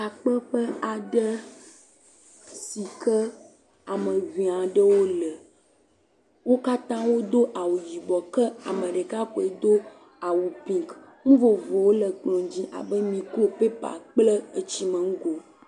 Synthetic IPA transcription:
a˨k͡pə˦ɸə˦a˨ɖə˦ | si˨kə˦ | a˨mə̃˨vĩ˨a˨ɖə˦wo˦lə˨ | wo˦ka˦t̪ã˦wo˦d̪o˦ʔa˨wu˨ji˨bɔ˨kə˦a˨mə̃˨ɖe˨ka˦ko˨e˦˨d̪o˦ | a˨wu˨pĩ˨ŋk | ŋũ˦vo˨vo˨wo˦lə˨ɡ͡blɔ̃˨d͡ʑĩ˦ʔa̰˨bə˦mĩ˨klo˦pe˦pa̰˨k͡plə˦e˨t͡ɕi˦mə̃˨ŋ̩˦ɡo˨

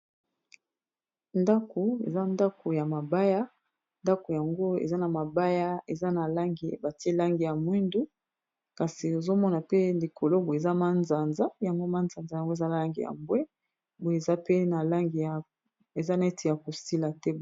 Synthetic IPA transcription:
nda˦ko˨ḛ˨za˦nda˦ko˨ja˨ma˨ba˦ja˦ | nda˦ko˨ja˨ŋɡo˦ḛ˨za˦na˨ma˨ba˦ja˦e˨za˦na˨la˦ŋɡi˨ba˨ti˦e˦la˦ŋɡi˨ja˨mwi˦ndu˦ | ka˨si˨o˨zo˦mɔ˦na˨pe˦li˨kʰo˨lo˦bo˨e˨za˦ma˦nza˨nza˦ja˨ŋɡo˦ma˦nza˨nza˨ja˨ŋɡo˦e˨za˦na˨la˦ŋɡi˨ja̰˨mbwɛ˦ | bo˨e˨za˦pe˦na˨la˦ŋɡi˨ja˨ | e˨za˦na˨e˦ti˨ja˨ko˨si˦la˨tɛ˦

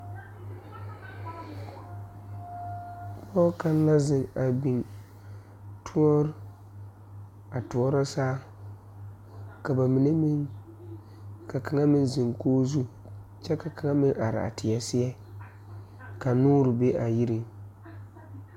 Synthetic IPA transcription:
k͡pɔ˦ka˦n˦la˦zɪ˨ŋa˨bi˨n | tʰʊ˦ɔ˦ɾ | a˨tu˨ɔ˦ɾa˦saː˦ | ka˨ba˨mi˨ne˦mɪ˦ŋ | ka˨ka˨ŋa˦mɪ˦nzɪ˨ŋkoː˦zu˦ | t͡ʃɛ˦ka˨ka˨ŋa˦mɪ˦ŋʔa˨ɾɪ̰˨a̰˨tɪ˨ja˨sɪ˦ɛ˦ | ka˨nuː˦ɾɪ˨be˦ʔa˨ji˦ɾi˨ŋ

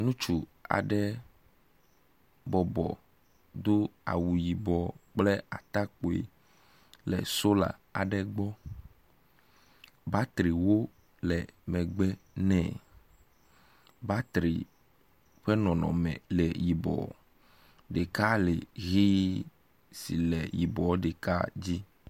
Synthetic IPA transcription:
nũ˦t͡ʃu˨a̰˨ɖɛ˦ | bɔ˨bɔ̰˨ | d̪o˦a̰˨wu˨ji˨bɔ˨k͡plɛ˦a˨t̪a˦k͡po˨ḛ˨ | lɛ̰˨so˦la̰˨a˨ɖɛ˦ɡ͡bɔ˦ | ba˦t̪ɾi˨wo˦ | lɛ˨mɛ̃˨ɡ͡bɛ˦nɛ̰̃˦˨ | ba˦t̪ɾḭ˨ | ɸɛ˦nɔ̃˨nɔ̰̃˨mɛ̰̃˨lɛ˨ji˨bɔ̰˨ | ɖe˨ka˦le˨ɣi˦ | si˨lɛ˨ji˨bɔ˨˦ɖe˨ka˦d͡ʑi˦

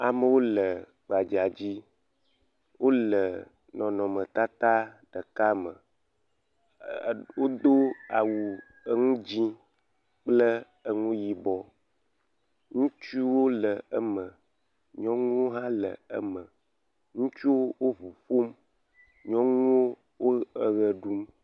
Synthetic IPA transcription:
a˨mə˨wo˦lə˨ | ɡ͡ba˨d͡ʒi˨a˨d͡ʑi˦ | wʔo˦lə˨ | nɔ̃˨nɔ̃˨mə̃˨t̪a˦t̪a˦ɖ̥ə˨ka˦mə˨ | wo˦d̪o˦a˨wu˨ | ə˦ŋũ˦d͡ʑi˦ | k͡plə˦ | ə˦ŋũ˦ji˨bɔ˨ | ŋũ˦t͡ʃu˦wo˦lə˨ə˦mə̃˨ | ɲɔ̃˦ŋũ˦wo˦ɦã˦lə̰˨ə̰˦mə̃˨ | ŋũ˦t͡ʃu˦wo˦wo˦vu˨fo˦m | ɲɔ̃˦ŋũ˦wo˦ | wo˦ə˨ɣə˨ɖu˦m

